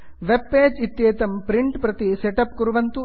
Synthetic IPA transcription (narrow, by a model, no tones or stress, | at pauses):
ʋebːeːd͡ʒit̪jeːt̪ɐmpɾiɳʈpɾɐt̪iseʈɐpkuɾuʋɐnt̪u